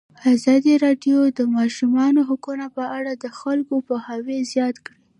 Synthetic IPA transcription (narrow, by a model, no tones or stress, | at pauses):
azɑd̪iɾɑɖjod̪əmɑʃumɑnoɦʊkunapəaɽad̪əxalkopəhawezjɑt̪kɽi